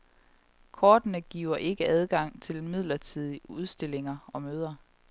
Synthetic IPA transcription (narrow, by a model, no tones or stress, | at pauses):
kʰɒːd̥nəɡ̥ḭːʊɐʔe̝ɡ̥əæð̞ˠɡ̥ɑ̈ŋ̰t͡sʰe̝lmið̞̰ˠlɐt͡sʰið̰ˠiuð̞ˠsd̥e̝le̝ŋɐɒ̽møːð̞ˠɐ